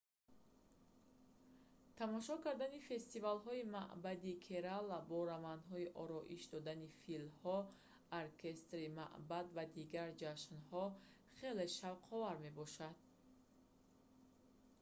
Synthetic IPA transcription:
t̪ʰamɔʃɔkaɾd̪anife̞st̪ivalɦɔimaʔbad̪ikʰeɾalabɔɾamand̪ɦɔiʔɔɾɔʔiʃd̪ɔd̪anifilhɔ | aɾkʰe̞st̪ɾima̰ʔbad̪vad̪iɡaɾd͡ʒaʃnhɔ | χe̞le̞ʃavqʰɔvaɾme̞bɔʃad̪̥̚

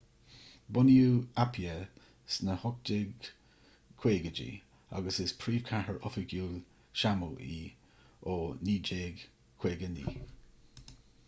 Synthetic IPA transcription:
bʊnjuːapʰjə | snəhʊk̚dɪɡ | kʰw̥eːɡəd͡ʒḭ | a̰ɡəsɪspʰɾiːv̥kʰahəɹʔɔfəɡjuːl | ʃamuːʔiː | oːniːd͡ʒeːɡ | kʰw̥eːɡənḭː

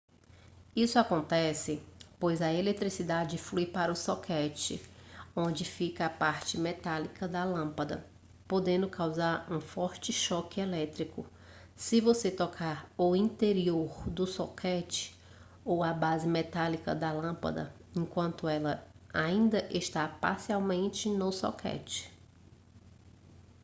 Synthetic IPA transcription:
isʊakõnt̪ɛsɪpojzɐelet̪ɾisid̪ad͡ʒɪflujpaɾɐʊsokʰɛt͡ʃɪ̰õnd͡ʒɪfikɐapaɾt͡ʃɪmɛt̪alikɐd̪ɐlɐ̃pɐd̪ɐ̰ | pod̪ẽnd̪ʊkawzaɾũfɔɾt͡ʃɪʃɔkɪelɛt̪ɾikʊ | sɪvoset̪ɔkʰaɾʊĩnt̪eɾioɾd̪ʊsokʰɛt͡ʃɪ̥ | owɐbazɪmɛt̪alikɐ̰d̪ɐlɐ̃pɐ̰d̪ɐ̰ẽkwɐ̃nt̪ʊɛlɐ | aĩnd̪ɐʔeʃt̪apa̰ɾsiawmẽnt͡ʃɪnʊso̰kʰɛ̰t͡ʃɪ̥

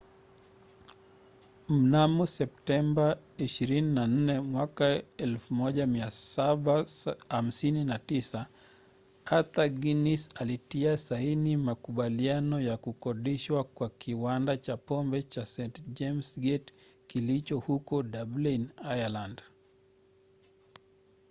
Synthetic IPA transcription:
m̩namɔsɛp̚tɛmba | iʃiɾininan̩nɛmwakaɛlfumɔʄamiasaɓaham̩sininatisa | at̪aɡinisalitiasainimakuɓalianɔjakukɔɗiʃwakwakiwandat͡ʃapɔmbɛt͡ʃasɛntd͡ʒɛmsɡɛtkilit͡ʃɔhukɔɗablinajaland

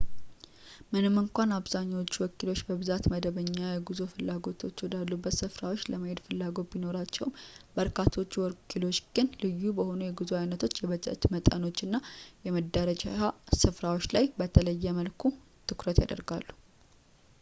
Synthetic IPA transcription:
mɨnɨmːɨŋkʷanaβzaɲːawot͡ʃːuwɔkʰːilo̞t͡ʃːbəβɨzat̪məd̪əβəɲːajɛɡuzofɨlːaɡo̞t̪ʰo̞t͡ʃːɔd̪alːubːət̪sɨfɾawo̞t͡ʃːləməhe̞d̪fɨlːaɡo̞t̪̚bino̞ɾat͡ʃːɛwmbəɾkʰat̪ʰo̞t͡ʃːuwɔkʰilo̞t͡ʃːɡ̥ɨnlɨjːubəho̞nujɛɡɨzuajunət̪ʰo̞t͡ʃːjɛβətʼɨ̰ʔt̪mət̪ʼəno̞t͡ʃːɨnːajɛməd̪əɾəd͡ʒasɨfɾawot͡ʃːlajbət̪ʰələjːɛməlkʰu | t̪ʰɨkɾət̪ja̰d̪ə̰ɾɡa̰lːu

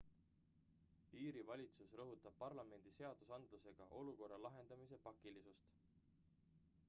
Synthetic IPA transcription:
iːɾivɑlʲit̪susrɤɦut̪ːˑɑb̥̚pɑrlɑme̞nd̪̥ise̞ɑd̪̥usɑnd̪̥luse̞ɡ̥ɑʔo̞luko̞rːɑlɑɦe̞nd̪̥ɑmise̞pɑkːilisust̪

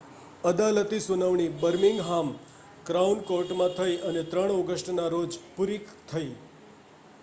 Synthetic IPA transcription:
əd̪alət̪isunəʋɳ̃ibəɾmiŋɡɦam | kɾaunkoɾʈmãt̪ʰəjʔənet̪ɾəɽ̃ɔɡəsʈnaɾod͡ʒpuɾikt̪ʰəi

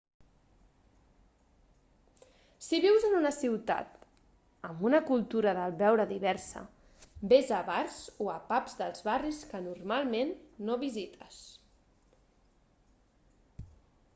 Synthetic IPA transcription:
siβ̞iwzənunəsiwt̪a̰t̪ | əmbunəkulˠt̪uɾəðəlβɛwɾəðiβ̞ɛɾsə̰ | bezəβaɾzoəpapzðəlˠzβariskənurmalˠmenːoβizit̪ʰəs

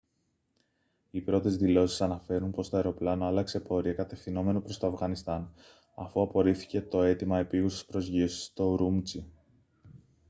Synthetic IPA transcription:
ipɾo̞t̪e̞zðilo̞si̥sɐnɐfe̞ɾunpo̞st̪oeɾo̞plɐnoɐlɐkse̞po̞ɾiɐkɐt̪e̞fθino̞me̞no̞pɾo̞st̪o̞ɐfɣɐnist̪ɐn | ɐ̰fuɐpo̞ɾiθi̥ce̞t̪o̞e̞t̪imɐe̞piɣusispɾo̞zʝiosi̥st̪o̞ɾumt͡si

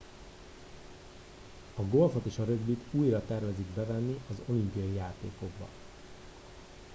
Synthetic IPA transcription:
ɒɡo̞lfo̞t̪eːʃɒɾøɡbit̪uːjrɒt̪ɛrvɛziɡbɛvɛnːiɒzo̞limpiɒjijaːt̪ḛːko̞ɡ̚bɒ̰

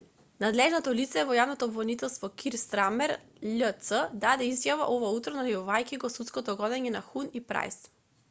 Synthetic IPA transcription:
nad̪lɛʒnɔt̪ɔlit̪sɛvɔjavnɔt̪ɔːbvɔnit̪ɛlˠst̪vɔkʰiɾst̪ɾamɛɾ | ʎət̪səd̪ad̪ɛizjava̰ʔɔvaut̪ɾɔnalɛjɔvajkiɡɔsut̪skɔt̪ɔɡɔd̪ɛɲɛnaxunipɾa̰js

